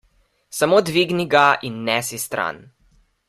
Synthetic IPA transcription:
samoːd̪ʋiɡniɡaʔinːɛsist̪ɾa̰n

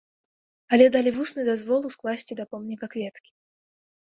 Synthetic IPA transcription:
alʲɛd̪alʲivusnɨd̪azvɔlˠusklˠasʲt͡sʲid̪ɐpɔmnʲikɐkvʲɛt̪kʲi̥

